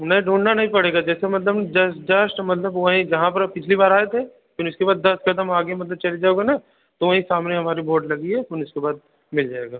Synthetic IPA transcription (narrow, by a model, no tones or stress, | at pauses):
nɐĩɖʱuːɳɖnanɐɦĩpɐɽeːɡad͡ʒɛːsemɐt̪ləbd͡ʒɐsd͡ʒɐsʈmɐt̪ləbʋɐɦĩjɐɦãpɐɾpɪt͡ʃʰlibaːɾaːet̪ʰe | kjũniʊskebaːd̪ːɐskɐd̪əmaːɡemɐt̪̬ləb̚t͡ʃɐled͡ʒaːoːɡana | t̪oʋɐɦĩsaːmneɦɐmaːɾiboːɾɖlɐɡiɦɛʊnʊskebaːd̪̚ | mɪld͡ʒaːeːɡaː